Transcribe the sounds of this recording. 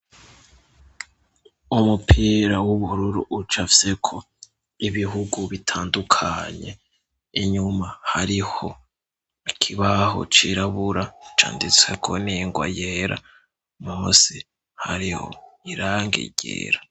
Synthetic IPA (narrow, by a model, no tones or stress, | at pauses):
umupʰiːɾawuβuɾuɾuʔut͡ʃafi̥se̞kʰo̞ | iβiɦuɡuβitʰaːndukʰaɲe̞̰ | iɲumahaɾiho̞ | ikʰiβaɦo̞̰t͡ʃiɾaβuɾat͡ʃa̰ːndit͡swe̞̰kʰo̞̰niŋɡwa̰jeːɾa̰ | mumusi | haɾiho̞̰iɾaŋɡḭɟḛɾa